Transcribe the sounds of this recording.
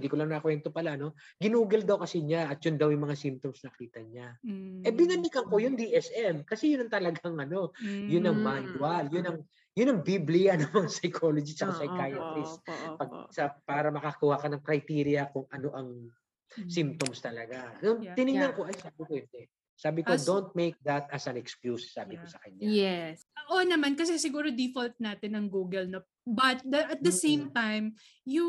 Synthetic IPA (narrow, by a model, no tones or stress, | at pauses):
nd̪iːkolɐŋnɐkwɛnt̪o̞pɐlaʔno̞ɡɪnuːɡɐld̪ɐwkɐsiɲaʔɐt̪̚jʊnd̪ɐwjʊŋmɐŋasimp̚t̪o̞msnɐkiːt̪ɐɲaʔɛbɪnɐnikɐŋko̞jʊŋd̪iʔɛsʔɛmkɐsɛjʊnɐŋt̪ɐlɐɡaŋɐno̞jʊnɐŋmanwɐljʊnɐŋ | jʊnːɐŋbiblɪjɐnɐŋmɐŋasɐjkʰo̞lod͡ʒit͡ʃɐkasɐjkajɐt̪ɾɪspɐɡ̚sɐpaːɾɐmɐkɐkuwhakɐnɐŋkɾɐjt̪iːɾjɐkʊŋɐno̞ʔɐŋ | simt̪omst̪ɐlɐɡanoŋt̪ɪnɪŋnɐŋko̞ʔɐjsaːbɪkoɛnd̪ɛ | saːbɪkod̪ont̪̚mejk̚d̪ɐt̪ɐsɐnɛkskjusːaːbɪkosɐkɐɲaɛ | ʔonɐmankɐs̬ɛsɪɡuːɾo̞d̪ifolt̪̚naːt̪ɪnɐŋɡuːɡɐlno | bɐt̪̚d̪ɐʔɐt̪̚d̪ɐsẽjmt̪ajm | ju